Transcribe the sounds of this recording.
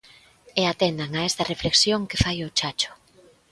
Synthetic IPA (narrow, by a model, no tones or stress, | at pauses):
eat̪ɛnd̪aŋaɛst̪ɐrefleksjoŋkefajʊt͡ʃat͡ʃʊ̥